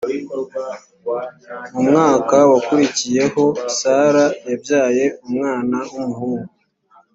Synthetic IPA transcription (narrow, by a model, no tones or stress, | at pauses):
umŋaːkawakuɾicije̞ho̞isaːɾajabjaːje̞umŋaːnaumuɦuːɡu